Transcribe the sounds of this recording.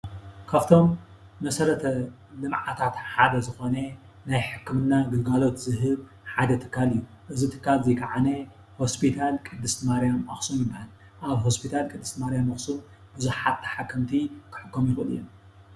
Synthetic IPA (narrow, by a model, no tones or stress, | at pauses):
kʰaβt̪ʰo̞mː | ɐsɐɾɐt̪ʰɐ | lɨmʕat̪ʰat̪ħad̪ɐzɨxo̞nɐ | najħɨkːɨmɨnːaɡɨlɡalo̞t̪zɨɦɨβ | ħad̪ɐt̪ʰɨ̥kːalɨjːu | ʔɨzit̪ʰɨ̥kːalzejkʰaʕane | ho̞spʰit̪ʰalkʼɨd̪ːɨst̪maɾijamʔɐxsumjɪbːahal | ʔaβɦo̞spʰit̪ʰalkʼɨd̪ːɨst̪maɾijamɐxsum | bɨzuħat̪ːʰɐ̥ħakːɨmt̪ʰikʰɨ̥ħɨkːomjɪxɨ̰lɨ̰jːom